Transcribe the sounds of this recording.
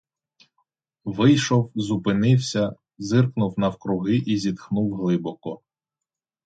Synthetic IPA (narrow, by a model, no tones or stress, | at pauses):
ʋɪjʃɔwzupɪnɪwsʲɐ | zɪrknʊwnɐwkɾʊɦɪʔizʲid̪xnuwɦlˠɪbɔkɔ